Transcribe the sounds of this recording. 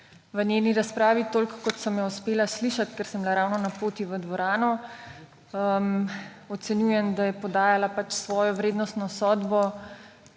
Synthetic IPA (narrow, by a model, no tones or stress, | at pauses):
ʋənʲjeːniɾaspɾaːʋit̪oːlkkːɔt̪sɐmjɛuspeːlasliʃat̪kɛɾsəmblaɾawnɔnapoːt̪iʋəd̪ʋɔɾaːnɔ | əm | ɔt̪sɛnjujɛmd̪ajɛpɔd̪aːjalapat͡ʃsʋɔːjɔʋɾeːd̪nɔst̪nɔsɔːd̪bɔ